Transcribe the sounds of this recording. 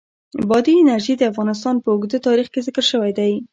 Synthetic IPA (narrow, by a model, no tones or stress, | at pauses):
bɑd̪iɪnaɾʒid̪əafɣɑnɪs̬t̪ɑnpəʊɡd̪ət̪ɑɾixkezɪkəɾʃəwajd̪aj